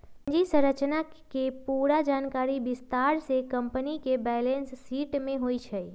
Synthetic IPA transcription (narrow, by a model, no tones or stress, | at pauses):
d͡ʒisə̃ɾət͡ʃnakepuːɾad͡ʒaːnkaːɾibɪst̪aɾsekə̃mpənikebɛːlensːiːʈmẽɦoit͡ʃʰɛ